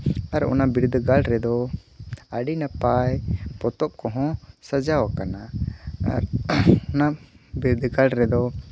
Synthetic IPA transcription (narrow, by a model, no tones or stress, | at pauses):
aɾɔ̰nabiɾud̪ʱɡalɾɛd̪ɔ | aɖinapajpɔt̪ɔp̚kɔɦɔ̃sad͡ʒawakanaa̰ɾɔnabiɾd̪ʱɡalɾɛd̪ɔ